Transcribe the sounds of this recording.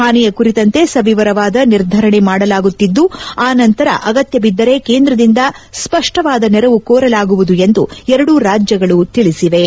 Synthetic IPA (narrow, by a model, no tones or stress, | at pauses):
ɦaːnɛjɐkuɾit̪ɐnt̪e̞sɐʋiʋɐɾɐʋaːd̪ɐniɾd̪ʱɐɾɐɳe̞maːɽɐlaːɡut̪ːid̪ːuaːnɐnt̪ɐɾɐ̰ʔɐɡɐt̪jɐbid̪ːɐɾekeːnd̪ɾɐd̪ind̪ɐspɐʂʈɐʋaːd̪ɐnɛɾɐʋukoːɾɐlaːɡuʋud̪ue̞nd̪uɛɾɐɽuɾaːd͡ʒjɐɡɐɭut̪iɭisiʋe̞